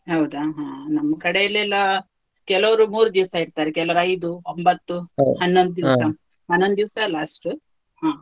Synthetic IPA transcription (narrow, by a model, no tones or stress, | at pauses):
ɦɐwd̪aɦãːnɐmːɐkɐɽeilːeːlːɐ | kɛlɐʋɐɾumuːɾud̪iʋsɐiɾt̪aːɾekɛlɐʋɐɾɐjd̪uombɐt̪ːuɦɐnːond̪ud̪iʋsɐ | ɦɐnːond̪d̪iʋsɐlaːsʈu | hãː